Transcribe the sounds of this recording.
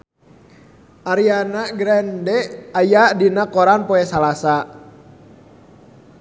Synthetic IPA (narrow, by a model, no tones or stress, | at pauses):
ʔaɾianaɡɾɛndɛajadinakɔɾanpɔɛsalasa